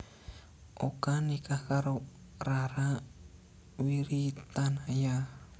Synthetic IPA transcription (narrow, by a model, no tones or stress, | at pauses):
ʔokanikakaɾo | raɾa | wiɾit̪anaja